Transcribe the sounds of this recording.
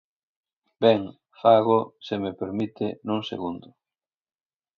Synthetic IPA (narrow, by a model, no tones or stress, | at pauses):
bɛŋ | faɣʊsemepeɾmit̪ɪnũŋsḛɣund̪ʊ